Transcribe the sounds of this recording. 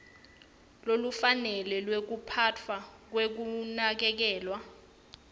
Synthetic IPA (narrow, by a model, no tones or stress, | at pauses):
lolufanɛlɛlwek̬upʰatʰwak̬wek̬unak̬ɛk̬ɛːlwa